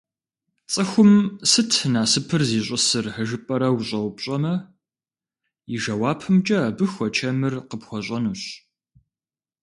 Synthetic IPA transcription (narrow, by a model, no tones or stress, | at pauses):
t͡sʼɨxʷʊmsɨtʰnaːsɨpʰɨrziːɕʷʼʊsɨrħəʒɨpʼɐɾɐwɕʼɐwpɕʼɐmɐ | iʒɐwaːpʰɨmt͡ʃʼɐaːbɨxʷɔt͡ʃʰɐmɨrqəpxʷɔɕʷʼɐnuɕ